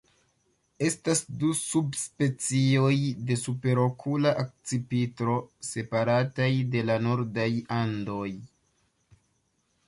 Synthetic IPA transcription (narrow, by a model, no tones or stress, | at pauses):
e̞stasdusubspe̞t͡sio̞jde̞supe̞ɾo̞kʰulaʔak̚t͡sipitɾo̞se̞paɾatajde̞lanoɾdajando̞j